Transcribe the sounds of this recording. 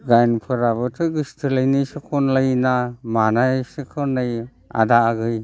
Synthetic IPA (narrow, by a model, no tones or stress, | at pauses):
ɡajnpʰɯɾaβɯtʰɯɡɯstʰɯlajnijsɯkʰɔnlajnamanajsɯkʰɯnɯj | a̰daːɡɯj